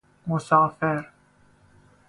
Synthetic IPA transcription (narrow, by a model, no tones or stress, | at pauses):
mʊsaːfeɾ